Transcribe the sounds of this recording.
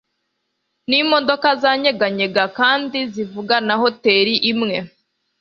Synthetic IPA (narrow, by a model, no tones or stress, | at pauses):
nimo̞do̞kazaːɲe̞ɡaɲe̞ɡakaːndizivuɡanaɦo̞te̞ːɾiʔimŋe̞